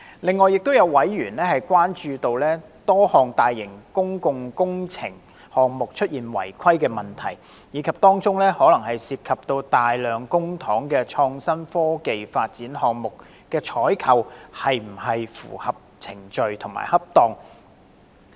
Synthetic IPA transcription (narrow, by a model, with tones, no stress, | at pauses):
lɪ˨ŋːɔː˨jɪ˨k̚t̪o˥wjɐ˨˧wwɐ˨˥jːyː˨˩nlɛː˥hɐ˨jkʷaː˥nt͡ʃyː˧t̪o˧wlɛː˥t̪ɔː˥hɔː˨˩ŋt̪aː˨jːɪ˨˩ŋkʊ˥ŋkʊ˨ŋkʊ˥ŋt͡sʰɪ˨˩ŋ | hɔː˨ŋmʊ˨k̚t͡ʃʰɵ˥t̚jiː˨nwɐ̰˨˩jkʰɐ˥jkɛː˧mɐ˨nt̪ʰɐ̰˨˩j | jiː˨˧˥kʰɐ˨p̚t̪ɔː˥ŋt͡sʊ˥ŋlɛː˥hɔː˨˥lɐ˨˩ŋhɐ˨jsiː˧p̚kʰɐ˨p̚t̪o˧wt̪aː˨jlœː˨ŋkʊ˥ŋt̪ʰɔː˨˥ŋkɛː˧t͡ʃʰɔː˧ŋsɐ˥nfɔː˥ke˨jfaː˧t̚t͡siː˨˥nɦɔː˨ŋmʊ˨k | kɛː˧t͡ʃʰɔː˨˥jkʰɐ˨˧whɐ˨jm̩˨˩ɦɐ˨jfṵː˨˩hɐ˨p̚t͡sʰɪ˨˩ŋt͡ʃɵ˨ɥt̪ʰʊ˨˩ma̰ː˨˩jhɐ˥p̚t̪ɔː˨˩ŋ